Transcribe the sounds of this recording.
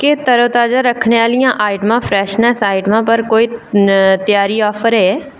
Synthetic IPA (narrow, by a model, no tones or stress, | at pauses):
ket̪əɾot̪aːd͡ʒaɾəkʰɳeaːlijãːʔaːɪʈmãpʰɾɛːʃnɛːsaːɪʈmãːpəɾkoːi | t̪jaːɾiɔːfəɾɦɛː